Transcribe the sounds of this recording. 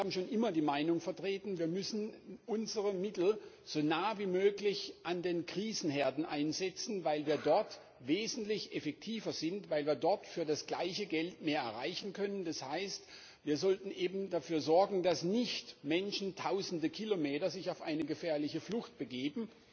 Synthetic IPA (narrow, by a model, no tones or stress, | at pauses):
aːbm̩ʃoːnʔɪmɐdiːmaɪnʊŋfɛɐtʁ̥eːtn̩viːɐmʏsn̩ʔʊnzəʁəmɪtl̩ | z̥onaːviːmøːklɪçʔandeːnkʁ̥iːzn̩ɦɛɐdn̩ʔa̰ɪnzɛt͡sn̩vaɪlviːɐdɔɐt | veːzn̩tlɪçʔɛfɛk̚tʰiːvɐzɪntv̥aɪlviːɐdɔɐtfyːɐdasɡ̥laɪçəɡɛltmeːɐɛ̰ɐʁaɪçn̩kʰœnəndashaɪst | viːɐzɔltn̩ʔeːbm̩dafyːɐzɔɐɡŋ̩dasnɪçtmɛnʃn̩tʰaʊzn̩dəkʰilomeːtɐzɪçaʊfʔaɪnəɡəfɛːɐlɪçəflʊxt̚b̥əɡeːbm̩